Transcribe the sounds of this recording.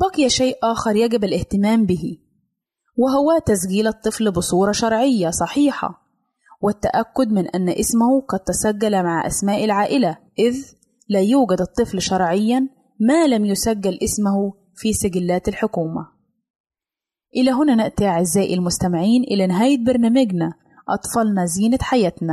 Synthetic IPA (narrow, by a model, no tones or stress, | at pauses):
b̥ɑqjaʃeːʔʔaːxɑɾˤjæɡɪbɪlʔɪht̪ɪmaːmbɪhi | wɪɦʊwæt̪æs̬ɡiːlɨt̪ˤːɨflbɨsˤuːɾˤɑʃɑɾˤʕɪjːasˤɑħiːħɑ̰ | wɪt̪ːa̰ʔækːʊd̪mɪnʔa̰nːʔɪsmʊhʊqɑd̪̚t̪ːæsæɡːalmaʕʔa̰smaːʔɪlʕaːʔɪlaʔɪð | læːjuːɡad̪ɨt̪ˤːɨflʃɑɾˤʕɪjːa | maːlamjʊsæɡːalʔɪsmʊhʊ | fiːsɪɡɪlːæːt̪ɪlħʊkuːma̰ | ʔɪlæɦʊnæːnɪʔt̪iaʕɪzːæːʔɪlmʊst̪amɪʕiːnʔɪlænɪɦæːjɪt̪̚bɑɾnæːmɪɡna | ʔɑt̪ˤfɑlnaziːnat̪ħajæːt̪næ